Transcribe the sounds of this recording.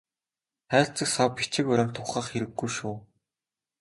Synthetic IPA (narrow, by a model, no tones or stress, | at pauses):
χæːɬt͡sɘ̆ksɔpit͡ɕɪ̆kʊɾʲɞ̆m̥t̪ʰːʊχaːχxeɾɘ̆ɡːujʃuː